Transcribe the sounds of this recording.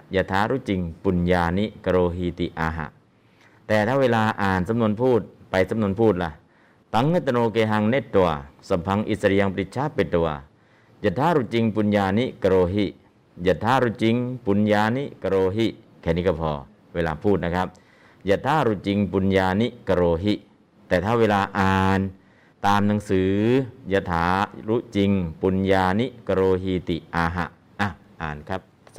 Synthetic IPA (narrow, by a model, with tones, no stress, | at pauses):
ja˧˩t̪ʰːaː˧˥ɾu˧˥t͡ɕi˧ŋpu˧˨njaː˧ni˧˥ka˧ɾoː˧ɦi˧t̪i˧˨ʔaː˧ɦa̰˨˧˨ʔ | t̪ɛː˨˩t̪ʰaː˧˥˨weː˧laː˧ʔaː˨˩nsa˧˦mnu˧ənpʰuː˥˩t̪̚pa˧jsa˧˦mnu˧ənpʰuː˥˩t̪̚la˧ | t̪a˨˦ŋːe˦˥˩t̪ːa˧noː˧keː˧ɦa˧ŋne˦˥t̪̚ːu˧ɐsa˧˩pʰa˧ŋʔḭ˧˩sa˧ɾi˧a˧ŋpɾi˧t̪̚t͡ɕʰa˦˥pːe˧˩t̪ːu˧ɐ | ja˧˩t̪ʰːaː˧˥˨ɾu˧˩t͡ɕi˧ŋpu˧njaː˧ni˧˥ka˧ɾoː˧ɦi˧˩ | ja˧˩t̪ʰːaː˧˥ɾu˧˥t͡ɕi˧ŋpu˧njaː˧ni˦˥ʔka˧ɾoː˧ɦi˧˥ʔ | kʰɛː˧˩˨niː˦˥kɔː˧˥˩pʰɔ̰ː˧ | weː˧laː˧pʰuː˥˩t̪̚na˦˥kʰa˦˥p̚ | ja˧˩t̪ʰaː˧˥˨ɾu˧˥t͡ɕi˧ŋpu˧njaː˧ni˦˥ʔka˧ɾoː˧ɦi˦˧˥ | t̪ɛː˨˩t̪ʰaː˥˩weː˧laː˧ʔaː˨˧n | t̪aː˧mna˨˦ŋsɯː˨˩˦ja˧t̪ʰaː˨˦ɾu˦˥t͡ɕi˧ŋpu˧njaː˧ni˦˥ʔka˧ɾoː˧ɦi˧t̪i˨˩ʔʔaː˧ɦa̰˨˩ʔ | ʔa˧˩ | ʔa̰ː˨nkʰa˦˥p̚